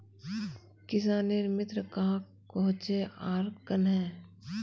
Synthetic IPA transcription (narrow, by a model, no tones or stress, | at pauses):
kɪs̬aːniɾmɪt̪ɾəkaː | kɔɦʊ̃t͡ʃeaːɾkənɦɛː